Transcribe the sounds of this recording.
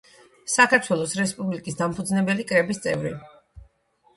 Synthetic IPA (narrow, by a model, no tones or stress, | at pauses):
sakʰaɾt̪ʰwɛlˠɔsɾɛspʼublikʼisd̪ampʰud̪znɛbɛlikʼɾɛbist̪sʼɛ̰vɾḭ